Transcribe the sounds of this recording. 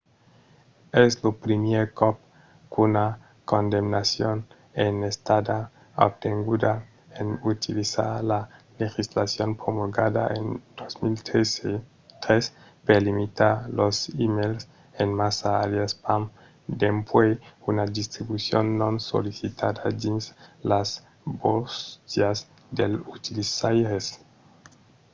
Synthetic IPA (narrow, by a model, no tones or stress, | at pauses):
eslopɾimjeɾkop̚ | kuna | kond̪emnasjon | enest̪ad̪a | ob̚t̪eŋɡud̪a | enut̪ʰilisa̰ɾlalexislasjonpɾomoɡaða̰ʔend̪̥ozmilt̪ | t̪ɾes | pelimit̪aɾlosimels | enmasaːljaspam | d̪empweunad̪ist̪ɾibusjonːõnso̰lisit̪ʰad̪ad̪inslas | bost̪jas | d̪elut̪ilisajɾes